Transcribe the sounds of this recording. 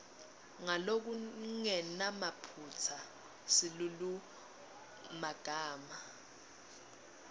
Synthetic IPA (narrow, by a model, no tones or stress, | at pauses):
ŋalok̬uŋɛnamapʰut͡sʰa | silulu | maɡ̥ʱaːma